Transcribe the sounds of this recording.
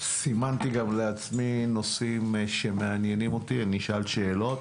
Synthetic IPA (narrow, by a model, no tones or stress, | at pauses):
simant̪iɡamleat͡smino̞simʃe̞meanjenimo̞t̪iniʃʔalʃe̞ːlo̞t̪